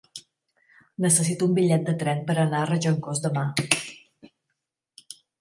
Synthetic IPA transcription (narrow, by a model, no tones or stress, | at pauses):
nəsəs̬it̪uumbiʎɛt̪̚d̪ət̪ɾɛnpəɾənarəʒəŋkozd̪əma